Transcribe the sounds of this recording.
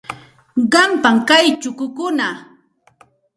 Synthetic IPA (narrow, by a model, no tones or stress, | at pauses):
ɢɑmpaŋkajt͡ʃʊkʊkʊna